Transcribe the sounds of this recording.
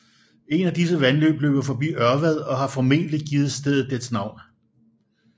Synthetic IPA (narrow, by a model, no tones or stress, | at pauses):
e̝næd̥is̬əʋænlø̰ːb̥løʊ̥fɒ̽b̥ḭːɶɐʋæð̞ˠɒ̽ɦɑ̈fɒ̽me̝̰ːd̥əliɡ̥iːð̩ˠsd̥eð̩ˠd̥e̥snɑ̈ʊ̰n